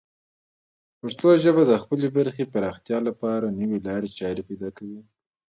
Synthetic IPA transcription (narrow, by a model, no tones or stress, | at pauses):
paʂt̪oʒəbad̪əxpəlebaɾxepaɾɑxt̪jɑlapɑɾanəwelɑɾet͡ʃɑɾepajd̪ɑkawi